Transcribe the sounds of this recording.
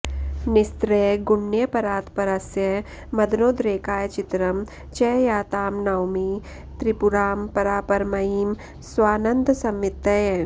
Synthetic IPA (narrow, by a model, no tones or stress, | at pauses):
nɪst̪ɾeːɡʊɳːjəpɐɾaːt̪pɐɾɐsjɐ | mɐd̪noːd̪ɾeːkaːjt͡ʃɪt̪ɾɐm | t͡ʃɐːjaːt̪aːmnawmi | t̪ɾɪpʊɾaːmpɐɾaːpɐɾmɐiːm | swaːnɐnd̪ʱsɐmʋɪt̪ːɐj